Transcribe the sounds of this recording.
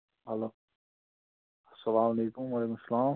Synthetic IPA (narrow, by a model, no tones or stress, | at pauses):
ɦɐloː | ɐsːɐlaːmɐleːkʊmɐleːkʊmsɐlaːm